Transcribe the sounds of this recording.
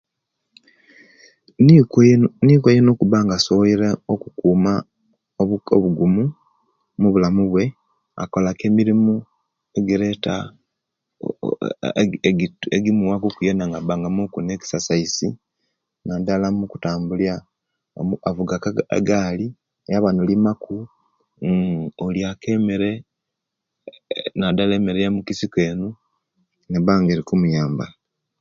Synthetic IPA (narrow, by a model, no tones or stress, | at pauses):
niːkwejenokuβaːŋɡasowiɾaokukuːma | oβoβuɡumu | muβulamuβwe̞ | a̰ko̞lake̞ːmiɾimu | eɡiɾeta̰ | eɡimuwakokujenaŋɡaβaːŋɡamukuneːki̥sasaisi | nadalamuku̥taːmbulja | uavuɡaka̰ɡaːli | ejaβanolimaku | oljake̞meɾe | nadaleːme̞ɾejamukisikeːnu | neβaːŋɡeɾikumujaːmba